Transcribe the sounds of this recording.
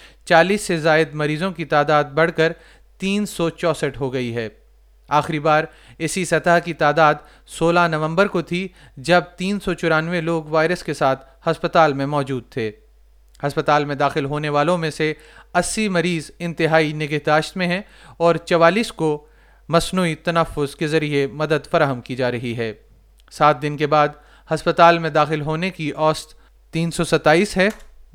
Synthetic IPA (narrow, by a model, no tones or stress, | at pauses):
t͡ʃaːliːsːezaːɪd̪mɐɾiːzõkit̪aːd̪aːd̪̚bɐɽ̤kəɾ | t̪iːnsɔt͡ʃɔːsəʈɦoɡɐiɦɛː | aːxɪɾibaːɾ | ɪsisɐt̪əɦkit̪aːd̪aːd̪ | soːlanɐʋə̃mbəɾkot̪ʰi | d͡ʒɐb̚t̪iːnsɔt͡ʃʊɾaːnʋeloːɡʋaːɪɾəskesaːt̪ʰ | hɐspət̪aːlmẽmɔːd͡ʒuːd̪̚t̪ʰeː | hɐspət̪aːlmẽd̪aːxɪlɦoːneʋaːlõmẽse | ɐsːimɐɾiːzɪ̃nt̪ɪɦaːinɪɡəɦd̪aːʃt̪mẽɦɛ̃ | ɔːɾt͡ʃɐʋaːliːsko | mɐsnuːit̪ɐnəfːʊzkezɐɾiemɐd̪əd̪fɐɾaːɦəmkid͡ʒaːɾɐɦiɦɛː | saːt̪̚ʰd̪ɪnkebaːd̪ | hɐspət̪aːlmẽd̪aːxɪlɦoːnekiʔɔːst̪ | t̪iːnsɔsɐt̪aːiːsɦɛː